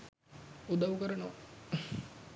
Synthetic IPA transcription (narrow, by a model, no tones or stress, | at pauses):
ud̪aʋukəɾɐno